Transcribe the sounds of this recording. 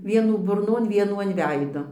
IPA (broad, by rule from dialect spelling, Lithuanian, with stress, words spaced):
ˈʋʲiɛnuː bʊrˈnoːn ˈʋʲiɛnuː ɐn ˈʋʲɛɪdoː